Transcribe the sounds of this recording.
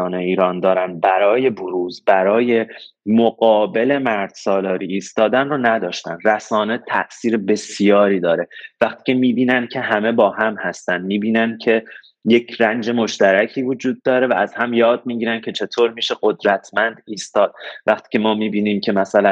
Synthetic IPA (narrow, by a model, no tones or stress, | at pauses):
ɒːneiːɾɒːnd̪ɒːɾæn̚bæɾɒːje̞boɾuːzbæɾɒːje̞moɡɒːbe̞le̞mæɾd̪̥sɒːlɒːɾiːst̪ɒːd̪ænronæd̪ɒːʃt̪ænræsɒːne̞t̪ʰæʔsiːɾebe̞sjɒːɾiːd̪ɒːɾe̞væχt̪ʰi̥ːcʰe̞miːbiːnænd̪̚cʰe̞ɦæme̞bɒːhæmhæst̪ænd̪miːbiːnæn̚cʰe̞ | jecʰrænd͡ʒe̞mo̞ʃt̪æɾæcʰiːvo̞d͡ʒuːd̪̚ːɒːɾe̞vææzhæmjɒːd̪̚miːɟiːɾæncʰe̞t͡ʃʰe̞t̪ʰoːɾmiːʃe̞ɢod̪ɾæt̪ʰmænd̪iːst̪ɒːd̪̥̚væχt̪ʰi̥ːcʰemɒːmiːbiːniːmcʰe̞mæsælæ